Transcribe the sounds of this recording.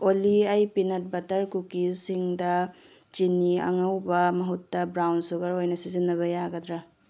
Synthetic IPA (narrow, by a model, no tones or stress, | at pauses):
oliɐjpinɐt̚bɐtɐɾkukisiŋdɐ | t͡ʃiniɐ̰ŋɐwbɐmɐɦutːɐbɾawnsuɡɐɾojnɐsizinːɐβɐjaɡɐdɾɐ